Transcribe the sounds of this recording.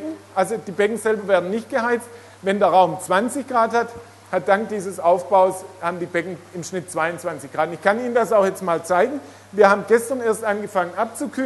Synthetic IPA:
ŋ̩ʔalzod̥iːbɛkŋ̩z̥ɛlbɐvɛːɐdn̩nɪçt̚ɡ̥əhaɪt͡st | vɛndeːɐʁaʊmt͡sv̥ant͡sɪçɡ̥ʁaːthat | hat̚d̥aŋk̚d̥iːzəsʔaʊfb̥aʊshaːbm̩diːbɛkŋ̩ɪmʃnɪtt͡sv̥aɪʊnt͡sv̥ant͡sɪçɡ̥ʁaːtʊnɪçkʰaniːnəndasaʊxjɛt͡stmaːlt͡saɪɡŋ̩ | viːɐhaːbm̩ɡɛstɐneːɐstʔanɡəfaŋənʔap̚t͡sukʰyː

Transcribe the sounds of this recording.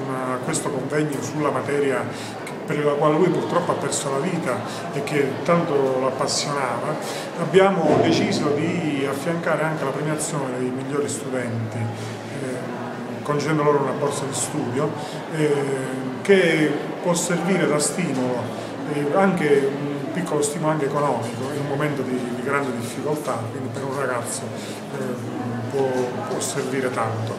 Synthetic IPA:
nakwest̪okoɱvɛɲːosulːamat̪ɛːɾja | kpːeɾlakwaːlelujpurt̪ɾɔpːoapːɛrsolaviːt̪a | ek̟ːet̪ːant̪olapːasːjonaːva | abːjaːmod̪et͡ʃiːzod̪iafːjaŋkaːɾeaŋk̟elapɾemjat̪sːjoːned̪ejmiʎːoːɾist̪ud̪ɛnt̪i | kont͡ʃɛnd̪oloːɾounabːɔrt̪sad̪ist̪uːd̪jo | ke | pwɔsːerviːɾed̪ast̪iːmolo | ɛaŋkeunpikːolost̪iːmulaŋkeːkonɔːmikoinumːoment̪od̪id̪iɡɾand̪ed̪ifːikolt̪akwind̪ipeɾunraɡat̪sːo | pwɔpwɔserviːɾet̪ant̪o

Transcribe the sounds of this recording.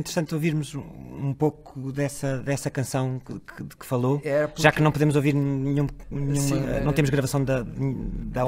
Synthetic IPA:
nt̪ɾt̪ɐ̃nt̪oviɾmuzũpokuðɛsɐðɛsɐkɐ̃sɐ̃w̃kkðkɨ̥fɐlˠoɛɾɐpʒaknɐ̃w̃puðemuzoviɾnɨɲũmnɨɲũmɐ̃nɐ̃t̪emuʒɣɾɐvɐsɐ̃w̃d̪ɐðd̪ɐ

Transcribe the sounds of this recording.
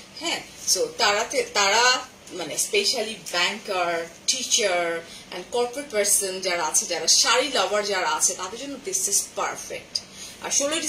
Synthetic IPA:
hɛ̃sot̪aɾat̪et̪aɾa | manespeʃalibɛŋkaɾʈit͡ɕaɾ | ɛ̰̃nɖkɔɾpɾeʈ̚pɛɾsond͡ʑaɾaat͡ɕʰed͡ʑaɾaʃaɾilɔbaɾd͡ʑaɾaat͡ɕʰet̪at̪eɾd͡ʑonːod̪isizpaɾfḛk̚ʈ | a̰ɾʃoloʈi

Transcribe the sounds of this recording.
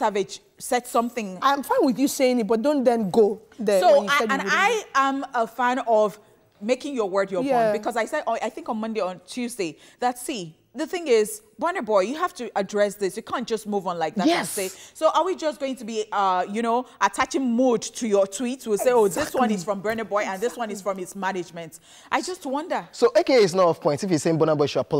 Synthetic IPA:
savɪd͡ʒ̥ | sɛtsʌ̃mθɪ̃ŋaɪ̃mfãɪ̃nwɪðjɨseɪ̃ŋɪt̚b̥ʌt̚d̥õʊ̃ndɛ̃nɡoðɛsoʊə̃naɪə̃məfæ̃nʌv | meɪkɪ̃ŋjə˞wɜ˞djəɔ̃bɨkʰʌzaɪsɛdaɪθɪ̃ŋkə̃nmʌ̃ndeɪə̃ntʰʉzdeɪ | ðətsi | ðɨθɪ̃ŋɪz̥ | bɜnəbɔɪjɨɦaftɨʔədɹɛsðɪsjɨkʰãntd̥ʒ̥ʌst̚muvn̩laɪk̚ðaaseɪsoʊʔəwid͡ʒʌsɡ̥oʊɪ̃ŋtʰɨbiʌjɨñoʊʔətʰat͡ʃɪ̃ŋmudtʰɨjətʰw̥itswɪlˠseɪoʊðɪswʌ̃nɪz̥fɹʌ̃mbɜ˞nəbɔɪə̃nðɪswʌ̃nɨz̥fɹʌ̃mɪtsmænɪd͡ʒmɨ̃nt | ʔaɪd͡ʒʌst̚wʌ̃ndə˞soʔekeɪs̬nəɔfpʰɔ̃ɪ̃ntsɪfjiseɪ̃ŋbɔnəbɔɪʃuapʊl

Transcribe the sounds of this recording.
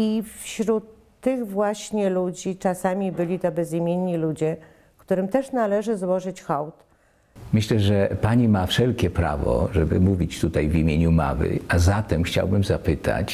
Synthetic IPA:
ifɕɾut̪ːɘɣvwaɕɲɛlud͡ʑit͡ʂasamʲibɘlʲit̪ɔbɛzimʲjeɲːilud͡ʑɛ | kt̪uɾɘmt̪ɛʂnalɛʐɘzwɔʐɘt͡ɕxɔwt̪ | mɘɕlɛʐɛpaɲimafʂɛlkʲɛpɾa̰vɔ̰ʐɛbɘmuvʲit͡ɕt̪ut̪ajvimʲjeɲuma̰vɘ̰azat̪ɛmxt͡ɕa̰wbɘmzapɘt̪ʰa̰t͡ɕ

